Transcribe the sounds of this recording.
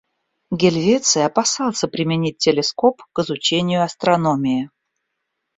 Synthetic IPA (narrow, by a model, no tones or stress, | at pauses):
ɡʲɪlʲvʲet̪sɨɐpɐsɑlˠsʲəpɾʲɪmʲɪnʲit̚ʲtʲːɪlʲɪsko̞pkɨzʊt͡ɕenʲɪjʊɐst̪ɾɐno̞mʲɪɪ